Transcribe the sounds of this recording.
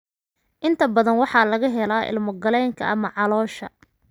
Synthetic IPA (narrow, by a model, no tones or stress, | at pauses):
ʔɪnt̪ʰɐbɐðɐnwɑħɑːlɐɣɐɦɛlaːʔɪ̰lmʊɡɐlɛjŋkʰɐ̰ʔɐmɐʕɑlɔːʃɐ̰